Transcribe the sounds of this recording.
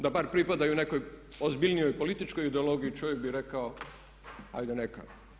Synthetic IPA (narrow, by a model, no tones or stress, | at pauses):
d̪abaɾpɾipad̪ajuuneko̞jozbilʲnijo̞jpo̞lit̪it͡ʃkojid̪eolˠo̞ɡijit͡ʃoʋjek̚biɾekao | a̰jd̪aneka̰